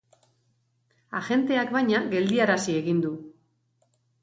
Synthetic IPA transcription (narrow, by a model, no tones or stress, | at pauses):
aʝe̞nt̪e̞akbajɲaɣe̞ld̪iaɾasie̞ɣind̪u